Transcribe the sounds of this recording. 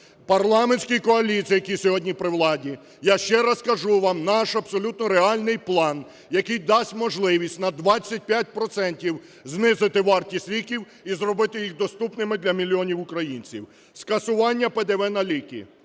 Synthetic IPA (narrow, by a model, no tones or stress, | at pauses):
pɐrlˠɑmenʲsʲkijkɔɐlʲit͡sʲijɐkʲisʲɔɦɔdʲnʲipɾɪwlˠɑdʲi | jaʃt͡ʃɛɾɐskɐʒuʋɑmnɑʃɐbsɔlʲut̪nɔɾeɑlʲnɪjplˠɑn | jɐkɪjd̪ɑsʲtʲmɔʒlˠɪʋʲisʲtʲnɐd̪ʋɑt͡sʲːɐt̚ʲpʲjat̚ʲpɾɔt̪sɛnʲtʲiw | znɪzɪt̪ɪʋɑrtʲisʲlʲikʲiw | izɾɔbɪt̪ɪjixd̪ɔst̪upnɪmɪd̪lʲɐmʲilʲiɔnʲiwʊkɾɐjinʲt͡sʲḭw | skɐsʊʋɑnʲːɐped̪eʋɛnɐlʲikʲḭ